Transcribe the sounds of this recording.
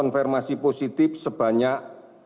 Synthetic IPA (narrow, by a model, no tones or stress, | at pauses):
ɔnfɛrmasiposit̪ɪfsəb̥ä̤ɲaʔ